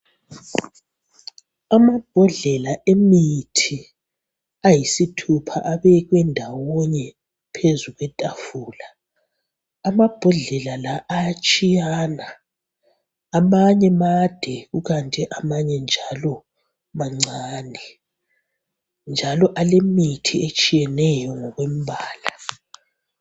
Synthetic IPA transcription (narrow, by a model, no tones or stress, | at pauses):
amab̥ʱɔɮɛlaemitʰi | ajisitʰupʰa̰ʔaβɛɣwɛndʱawɔɲɛ | pʰezuɣwɛtʼafuːla | mab̥ʱɔɮɛlalaʔːjat͡ʃʼijana | maɲɛmad̥ʱɛɣuɣantʼɛʔamaɲɛnd͡ʒʱalɔ | maŋ͡ǀaːnɛ | nd͡ʒʱalɔʔalemitʰiet͡ʃʼijɛnɛjɔŋɔɣwem̩bʱaːla